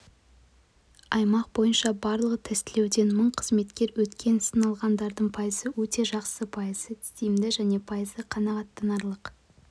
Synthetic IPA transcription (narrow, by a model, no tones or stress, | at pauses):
ɑjmɑq̚bo̞jənʃɑbɑɾlˠəʁət̪ʰɪst̪ɪle̞wd̪e̞nməɴqʰəzme̞t̪kʲe̞ɾwɵt̪kʲe̞nsənɑlˠʁɑnd̪ɑɾd̪əɴpʰɑjəzəwɵt̪e̞ʒɑqsəpʰɑjəzət̪ʰɪ̥st̪ejɪmd̪ɪʒæne̞pʰɑjəzd̪əqʰɑnɑʁɑt̪ːɑnɑɾlˠəq